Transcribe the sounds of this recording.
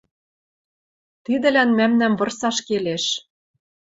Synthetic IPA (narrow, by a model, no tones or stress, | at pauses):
t̪id̪ɘ̆lænmæmnæmvɤ̆rsɑʃkeleʃ